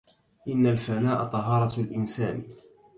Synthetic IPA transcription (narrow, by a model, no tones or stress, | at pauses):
ʔɪnːalfanaːʔat̪ˤɑɦɑːɾˤɑlʔɪnsaːn